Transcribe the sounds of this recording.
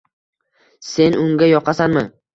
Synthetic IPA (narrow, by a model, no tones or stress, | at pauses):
se̞nʔʊŋɡʲajɒqʰasanmɪ